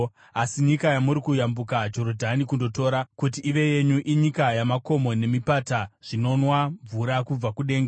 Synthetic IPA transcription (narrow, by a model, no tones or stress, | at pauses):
asiɲikajamuɾikujambukad͡ʒo̞rodʱanikundo̞toːɾakut̬iʔːʋe̞je̞ɲuʔiɲikajamako̞mo̞ne̞mipataʐ̥ino̞nwaɱvuɾakub͡vakuɗe̞ːŋɡa